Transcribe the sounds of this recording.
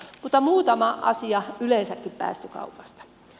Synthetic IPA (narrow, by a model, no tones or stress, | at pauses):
mut̪ːɑmuːt̪ɑmɑʔɑ̰siɑyleinsækːippæ̰ːst̪ykɑ̰upɑ̥st̪ɑ̥